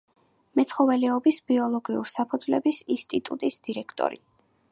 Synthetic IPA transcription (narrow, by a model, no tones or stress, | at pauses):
mɛt̪sʰχɔvɛlɛɔbisbiɔlˠɔɡiṵɾisapʰud̪zvlɛbisinst̪ʼit̪ʼṵt̪ʼisd̪̥iɾɛkʰt̪ʼɔ̰ɾḭ